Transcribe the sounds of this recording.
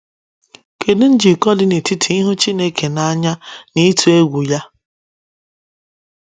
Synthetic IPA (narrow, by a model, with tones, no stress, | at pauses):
ke˨dʊ˦n̩˦d͡ʒi˨kɔ˦dɪ˦ne˨ti˦tʰi˨i˦ɦʊ˦t͡ʃi˦ne˦ke˨na˦ɲa˦ni˦tʰu˨e˦ɡʷu˨ja˦